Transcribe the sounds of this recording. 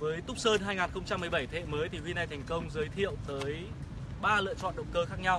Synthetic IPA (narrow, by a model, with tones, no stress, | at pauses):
vəː˨˦jt̪ʊ˦˥k͡p̚səː˧nɦaː˧jŋaː˨˩nxə˧wŋ͡mt͡ɕa˧mː˨˩əjɓa˧˩jt̪ʰḛ˧˨məː˨˦jt̪ʰi˨˩kwi˧na˧˩jt̪ʰɛ˨˩ŋ̟kə˧wŋ͡mzəː˨˦jt̪ʰḭ˧˨ə˨wt̪əː˨˦j | ɓaː˧lɨ̰˧˨ət͡ɕɔ̰˧˨nɗə˨˩wkəː˧xaː˦˥k̚ɲa˧w